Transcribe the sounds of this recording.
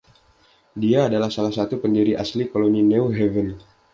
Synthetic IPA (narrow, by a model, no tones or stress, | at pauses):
diaːdalahsalahsat̪upəndiɾiʔaslikoloninɛuɦɛvən